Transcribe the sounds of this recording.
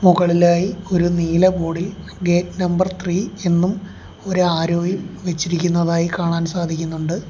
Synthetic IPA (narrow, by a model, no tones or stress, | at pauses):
muɣɐɭilaːjio̞ɾuniːlɐbo̞ːɽil | ɡe̞ːtnɐmbɐrt̪ʰriːe̞nːum | o̞ɾuaːɾoːɡjɐmʋe̞t͡ɕːiɾikʲːunːɐðaːjikaːɳaːnsaːd̪ʱikʲːunːuɳɖɨ